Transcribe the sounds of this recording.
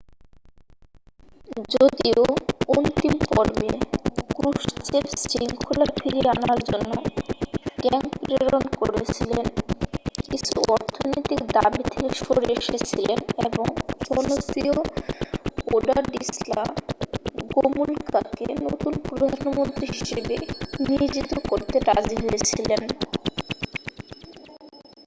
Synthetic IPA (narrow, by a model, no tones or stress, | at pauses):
d͡ʑod̪iount̪impɔɾbekɾuʃt͡ɕeɾsɾiŋkʰolaɾfʰiɾeanaɾd͡ʑonːo | ɡ̥ɛŋpɾeɾonkoɾet͡ɕʰilen | kit͡ɕʰṵʔɔɾt̪ʰonojt̪ikd̪abit̪ʰekeʃoɾeʃet͡ɕʰileneboŋd͡ʑɔnosio | oɖaɾɖisla | ɡomulkakḛnot̪unpɾod̪ʱanomont̪ɾiɦiʃebenied͡ʑit̪okoɾt̪eɾad͡ʑiɦoet͡ɕʰilen